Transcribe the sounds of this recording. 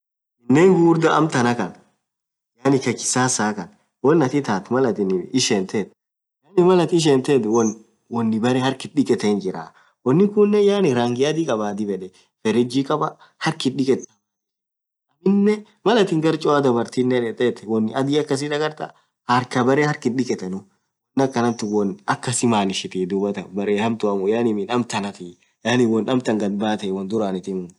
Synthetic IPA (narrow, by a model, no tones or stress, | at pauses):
ɪnːeːŋɡuːɾd̪ɐʔɐ̰mt̪ɐnɐkɐn | jaːnɪkɐkɪ̥saːsaːkɐn | wɔnːɐt̪ɪt̪aːt̪mɐlɐt̪ɪnɪʃeːnt̪eːt̪ | jaːnɪmɐlɐt̪ɪʃ̬eːnt̪eːd̪wɔn | wɔnːɪbɐɾɛhɐɾkɪɗɪkʼɛt̪ɛɪnd͡ʒɪɾa̰ː | wɔnːɪkʊnːɛjaːnɪɾaːŋɡɪɐd̪ɪkʼɐbaːd̪ɪbɛᶑɛ | fɛɾɪd͡ʒɪkʼɐbɐ | hɐɾkɪᶑɪkʼɛt̪ːɐ̥ | ʔɐmɪnːɛ | mɐlɐt̪ɪŋɡɐɾt͡ʃʼɔɐd̪ɐbɐɾt̪inːɛᶑɛt̪ʼɛt̪ɛwɔnːɪɐd̪iɐkːɐs̬ɪd̪ɐɡɐɾt̪ɐ̰ | hɐɾkɐbɐɾɛhɐɾkɪɗɪkʼɛt̪ɛnʊ | wɔnːɪɐkːɐnɐmt̪ʊwɔnɐkːɐsɪmaːnɪʃɪt̪iːd̪ʊbɐt̪ɐbɐɾeːhɐmt̪ʊɐmʊjanɪmɪnɐmt̪ɐnɐt̪i | jaːnɪwɔnɐmt̪ɐŋɡɐd̪baːt̪ɐwɔnd̪ʊɾaːnɪt̪ɪmʊ